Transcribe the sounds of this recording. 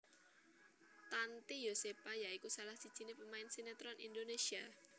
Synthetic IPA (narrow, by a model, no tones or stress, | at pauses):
t̪ant̪ijosepajaikusalahsid̥ʒ̥i̤nepəmaɪnsenat̪ɾɔnʔḭndonesia